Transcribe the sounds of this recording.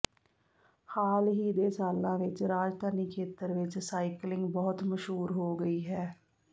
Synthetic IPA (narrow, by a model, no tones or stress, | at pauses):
xaːlɦiːd̪eːsaːlãːʋɪt͡ʃɾaːd͡ʒt̪aːniːkʰeːt̪əɾʋɪt͡ʃsaːiklɪ̃ŋɡbɔːt̪məʃɦuːɾɦoːɡəiːɦɛː